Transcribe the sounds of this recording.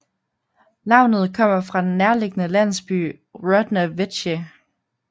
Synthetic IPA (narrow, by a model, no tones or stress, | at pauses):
nɑ̈ʊ̰nð̞̩ˠkʰɒ̽m̰ɐfʁɑ̈d̥enːæɐle̝ɡ̥ənəlæn̰sb̥y̰ː | ʁɔd̥næʋed̥ɕe